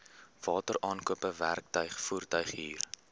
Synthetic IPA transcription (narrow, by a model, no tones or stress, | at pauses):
v̥ɑːtəɾʔɑːnkuəpəværk̚tœɥχfuːrtœɥχɦiːr